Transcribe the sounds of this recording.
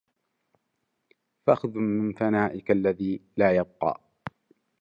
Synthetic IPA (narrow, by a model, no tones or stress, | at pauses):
faʔaxðʊmɪnθanaːʔɪkalːaðiːlaːjɑb̚qɑ̰ː